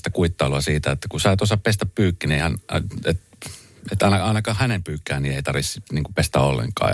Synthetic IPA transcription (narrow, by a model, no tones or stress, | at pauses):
t̪ækuit̪ːɑiluɑsiːt̪æet̪ːækusɑˑit̪osɑppest̪æppyːkːinehænet̪ | et̪ɑinɑɑˑinɑkɑːhhænempyːkːæːnnieit̪ɑrʋissniːŋkupest̪æ̰ːolːḛŋkɑ̰ː